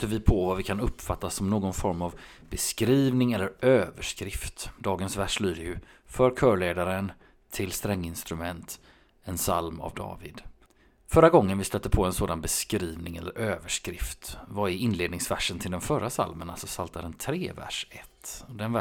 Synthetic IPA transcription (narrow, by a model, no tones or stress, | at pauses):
əvɪpʰɔvavɪkʰanɵpːfat̪ːasːɔmnoːɡɔnfɔɾmav | bɛskɾiːvnɪŋɛlːəɾøːvəʂkɾɪft̪d̪ɑːɡənsvæʂlyːd̪əjɵfœɾkʰœːɭeːd̪aɾən | t̪ʰːɪlst̪ɾɛŋːɪnst̪ɾɵmɛnt̪ | ɛnsa̰lma̰vd̪ɑ̰ːvɪd̪ | fœɾːaɡɔŋːənvɪst̪œt̪ːəpʰɔɛnsoːd̪anbɛskɾiːvnɪŋɛlːəɾʔøːvəʂkɾɪft̪vaɪɪnleːd̪nɪŋsvæʂːənt̪ʰɪld̪ɛnfœɾasa̰lmənalsɔsalt̪aɾənt̪ʰɾeːvæ̰ʂɛt̪ːd̪ɛnv